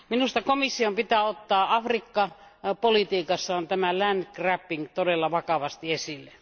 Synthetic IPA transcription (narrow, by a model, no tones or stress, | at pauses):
minust̪ɑkomisːiompit̪æːot̪ːɑːʔɑfrikːɑpolit̪iːkɑsːɑont̪æmælænd̪kræpːiŋkt̪odelːɑʋɑkɑʋɑst̪iesilːe